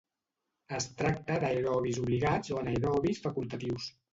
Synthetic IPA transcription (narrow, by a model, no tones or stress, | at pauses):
əst̪ɾak̚t̪əd̪ajɾɔβizuβliɣad͡zoənajɾɔβisfəkulˠt̪ət̪iws